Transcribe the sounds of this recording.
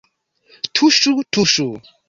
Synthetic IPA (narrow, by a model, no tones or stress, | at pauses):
tʰuʃutʰuʃu